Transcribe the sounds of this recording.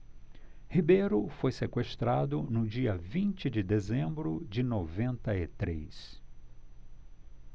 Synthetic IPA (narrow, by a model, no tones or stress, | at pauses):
hibejɾʊfojsekweʃt̪ɾad̪ʊnʊd͡ʒiɐvĩnt͡ʃɪd͡ʒɪd̪ezẽmbɾʊd͡ʒɪnovẽnt̪ɐɪt̪ɾḛs